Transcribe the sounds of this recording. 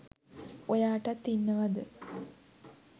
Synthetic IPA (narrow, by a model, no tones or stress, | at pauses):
ojaːʈɐt̪inːɐʋɐd̪ɨ